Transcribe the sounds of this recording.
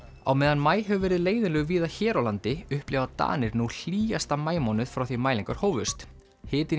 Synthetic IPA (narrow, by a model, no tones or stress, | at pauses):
a̰wmɛːðanmaːjɦɛvʏvɛːɾɪðleːjðɪnlœːɣviːðaçɛːɾawlant̪ɪʏhplɪvat̪a̰ːnɪɾnul̥iːast̪amaːjmɔnʏð̥fɾawθimaːjliŋkaɾ̥hoːwvʏst̪ | hɪːt̪ɪ